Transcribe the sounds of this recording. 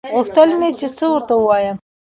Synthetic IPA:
ɣuxt̪əlmet͡ʃet͡səwəɾt̪awuwɑjəm

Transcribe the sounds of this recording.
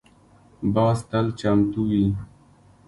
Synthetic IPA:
baːst̪əlt͡ɕamt̪uwi

